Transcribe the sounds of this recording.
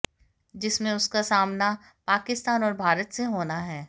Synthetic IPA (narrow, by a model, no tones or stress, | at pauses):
d͡ʒɪsmẽʊskasaːmna | paːkɪst̪aːnɔːɾbʱaːɾət̪seɦoːnaɦɛː